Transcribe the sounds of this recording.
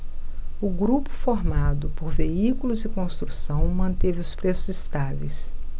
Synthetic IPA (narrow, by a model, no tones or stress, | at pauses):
ʊɡɾupʊ̥foɾmad̪ʊpoɾveikulʊzɪkõst̪ɾusɐ̃w̃mɐ̃nt̪evɪʊspɾesʊzist̪avejs